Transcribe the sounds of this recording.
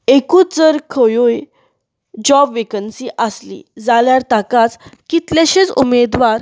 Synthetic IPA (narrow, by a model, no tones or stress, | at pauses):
ekuːt͡sd͡zəɾkʰəjoj | d͡ʑɔbʋekənsiʔəslḭd͡zaljaɾt̪akat͡skit̪leɕet͡sṵmed̪ʋaɾ